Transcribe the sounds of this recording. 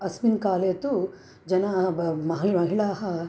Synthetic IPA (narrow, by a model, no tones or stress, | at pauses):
ɐsminkaːleːt̪u | d͡ʒɐnamɐɦimɐɦiɭaːɦɐ